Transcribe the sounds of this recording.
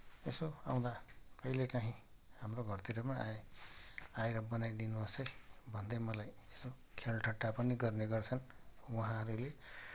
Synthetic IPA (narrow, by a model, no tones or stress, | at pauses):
esoa̰w̃d̪akʌjlekaɦĩɦamroɡʱʌrt̪iɾʌmaʔa | ajɾʌbʌnajd̪inuʌsʌjbʱʌnd̪ʌjmʌlaj | esokʰelʈʰʌʈːapʌniɡʌrneɡʌrt͡sʰʌnwʌɦãɦʌɾule